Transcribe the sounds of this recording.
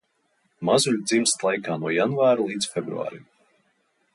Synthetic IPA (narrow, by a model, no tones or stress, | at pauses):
mazuʎʲd̪zimst̪lˠajkaːnuɔjanvaːɾulˠiːd̪sfʲɛbɾṵa̰ːɾʲḭm